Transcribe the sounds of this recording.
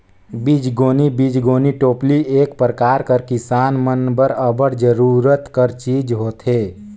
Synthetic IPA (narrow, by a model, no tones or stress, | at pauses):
bid͡ʒɡoːnibid͡ʒɡoːniʈoːplieːk̚pɾəkaːɾkəɾkɪsaːnmənbəɾəbəɾd͡ʒəɾuːɾət̪kəɾt͡ʃiːd͡ʒɦoːt̪ʰɦeː